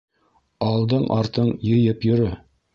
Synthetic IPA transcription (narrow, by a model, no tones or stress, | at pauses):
ɑlˠd̪ɤɴʔɑɾt̪ɤɴjɤ̆jɤpjɵ̆ɾɵ